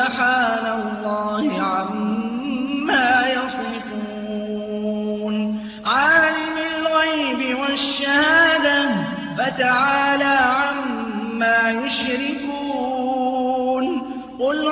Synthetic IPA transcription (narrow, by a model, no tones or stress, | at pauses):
ħaːnalˤːɑːhɪʕamː | aːjɑsˤɪfuː | n | ʕaːlɪmɪlɣajbɪwaʃːahaaːd̪a | fat̪aʕaːlaːʕamː | aːjʊʃɾɪkuː | n | qʊl